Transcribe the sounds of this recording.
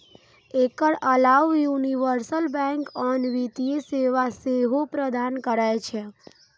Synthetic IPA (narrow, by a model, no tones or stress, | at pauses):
ekəɭəlaʋjuniʋəɾsəlbɛ̃ŋkɔnʋit̪ieseʋaseɦopɾəd̪ankəɾajt͡ʃʰe